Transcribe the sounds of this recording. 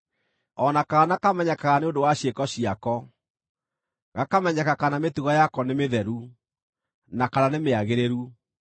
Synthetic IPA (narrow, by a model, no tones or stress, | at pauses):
ɔnakaɣanakamɛɲɛkaɣaneondowaɕekɔɕiakɔ | ɣakamɛɲɛkakanametuɣɔjakɔnemeðɛɾu | nakananemeaɣeɾeɾu